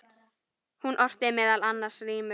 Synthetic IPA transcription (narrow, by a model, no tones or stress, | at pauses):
hunʔɔr̥t̪ɪmɛːðalanːaɾ̥sriːmʏ